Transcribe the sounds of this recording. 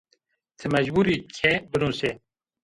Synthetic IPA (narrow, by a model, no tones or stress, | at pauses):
t̪ʰɨmɐʒbuːɾikʰebɨnuːse